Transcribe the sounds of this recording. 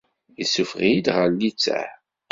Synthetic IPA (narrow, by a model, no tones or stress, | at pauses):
isufʁid̪ʁəɾlit͡sːæ̰